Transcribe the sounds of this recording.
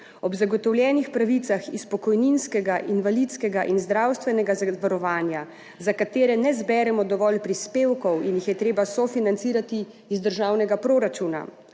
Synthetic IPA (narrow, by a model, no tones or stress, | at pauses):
ɔbzaɡɔt̪ɔwljɛːnixpɾaʋit̪saxispɔkɔjninskɛɡaʔinʋalit̪skɛɡaʔinzd̪ɾawst̪ʋɛnɛɡazʋaɾɔʋaːnja | zakat̪eːɾɛnɛzbɛːɾɛmɔd̪ɔʋɔlpɾispeːwkɔwinjixjɛt̪ɾeːbasɔfinansiːɾat̪i | izd̪əɾʒaːwnɛɡapɾoːɾat͡ʃuːna̰